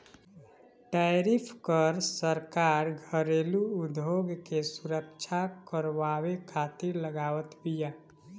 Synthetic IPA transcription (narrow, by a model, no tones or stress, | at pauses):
ʈaɾipʰkəɾsəɾkaɾɡʱəɾeluːd̪ʱjoɡkesuɾəkt͡ʃʰakəɾʋawekʰat̪iɾləɡaːwət̪bija